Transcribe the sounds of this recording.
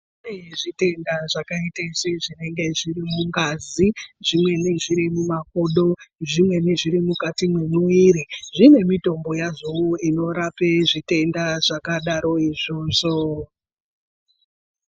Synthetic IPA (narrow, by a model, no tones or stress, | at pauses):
neʐite̞ndaʐakaiteseʐine̞ŋɡe̞ʐirimuŋɡaziʐimwe̞ne̞ʐiɾimumak̚oɗo̞ʐimwe̞ne̞ʐiɾimukatimwemwiiːɾiʐine̞mito̞mbo̞jaʐowuino̞ɾapeʐite̞ndaʐ̥akaɗaɾo̞iʐo̞ːʐo